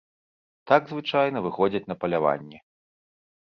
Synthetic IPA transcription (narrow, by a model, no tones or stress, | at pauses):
t̪aɡzvɨt͡ʂajnɐvɨxɔd͡zʲɐt͡sʲn̪ɐpɐlʲava̰nʲːɛ